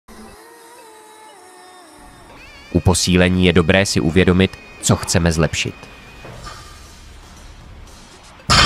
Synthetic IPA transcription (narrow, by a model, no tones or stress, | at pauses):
ʔupo̞siːlɛɲiːjɛdo̞bɾɛːsɪʔuvjɛdo̞mɪt̪ | t͡so̞xt͡sɛmɛzlɛpʃɪ̰t̪